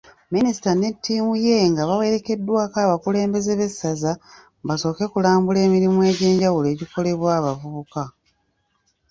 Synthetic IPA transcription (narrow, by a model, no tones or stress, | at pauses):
minisi̥tane̞tːiːmuje̞ŋɡaβawe̞ɾe̞ke̞dːwaːkaːβakule̞ːmbe̞ze̞βe̞sːaza | baso̞ːke̞kulaːmbule̞ːmiɾimuwe̞ːɟe̞ːɲɟawule̞ːɟiko̞le̞βwaːβavuβuka